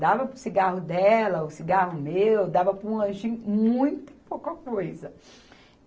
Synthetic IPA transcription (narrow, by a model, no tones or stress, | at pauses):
d̪avɐpɾʊsiɡaɦʊd̪ɛlɐʊsiɡaɦʊmewd̪avɐpɾũɐ̃ʒĩmũj̃t̪ɐ̥powkɐkojzɐ